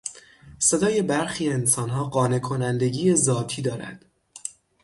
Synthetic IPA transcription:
se̞d̪ɒːje̞bæɾxiːe̞nsɒːnɦɒːɢɒːne̞kʰonænd̪e̞ɟiːjezɒːt̪ʰiːd̪ɒːɾæ̰d̪̥

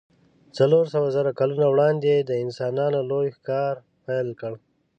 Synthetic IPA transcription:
t͡saloɾsəwazaɾakalunawɽɑnd̪ed̪əɪnsɑnɑnolojxkɑɾ | pajlkəɽ

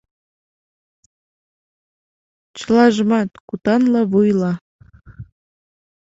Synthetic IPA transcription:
t͡ɕəlˠɑʒmɑt̪kut̪ɑnlɑβujlɑ

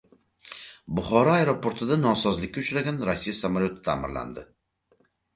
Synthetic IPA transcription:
bʊχɒɾɒajɾopʰo̞ɾt̪ʰɪd̪anɒnsɒzlɪk̚ʲːaʊt͡ʃɾaɡʲanɾasːijasamalʲjot̪ʰɪ̥t̪ʰa̰ːmɪɾla̰nd̪ɪ

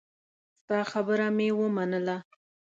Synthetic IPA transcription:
st̪ɑxabəɾamewəmanəla

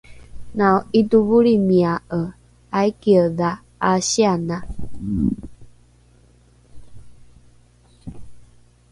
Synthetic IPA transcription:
nãoit̪uβuɾimĩaʔə | aikiəða | aɕianã

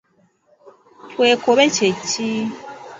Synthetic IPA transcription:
tʰwekoβet͡ʃet͡ʃi

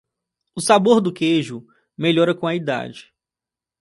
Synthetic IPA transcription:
ʊsaboɾd̪ʊkeʒʊ | meʎɔɾɐkõɐid̪a̰d͡ʒɪ̥

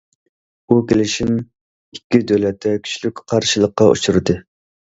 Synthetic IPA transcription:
ukʲelɪʃin | ikʲːid̪ølɛt̪ʰːɛkʲʰy̥t͡ʃlykʲqʰɑɾʃɨlˠəqːɑʔṵt͡ʃʰuɾɨd̪ɨ

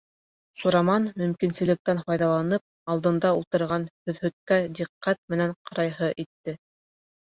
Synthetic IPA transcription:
suɾɑmɑnmɵ̆mkinsɘ̆lɘ̆k̚t̪ænfɑjðɑlˠɑnɤp̚ɑlˠd̪ɤ̆nd̪ɑulˠt̪ɤ̆ɾʁɑnhɵ̆ðhɵ̆t̪̚kæd̪iqːæt̪̚mɘ̆næɴqʰɑɾɑjɦɤʔit̪ːɘ

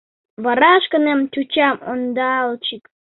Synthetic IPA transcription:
βɑɾɑʃkənemt̪ʲut͡ɕɑmond̪ɑlt͡ɕik

